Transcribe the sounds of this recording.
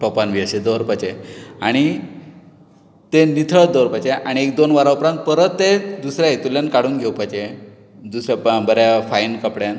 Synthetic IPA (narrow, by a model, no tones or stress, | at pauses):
ʈɔpanʋiəɕed̪əɾpat͡ɕeaɽ̃i | t̪enit̪ʰəɭət̪̚d̪əʋɾpat͡ɕeʔaɽ̃iekd̪onʋaɾaupɾãnt̪̚pəɾət̪ːed̪usɾjaet̪uljankaɽuːnɡʱewpajt͡ɕe | d̪usɾabəɾjafainkəpɽjãn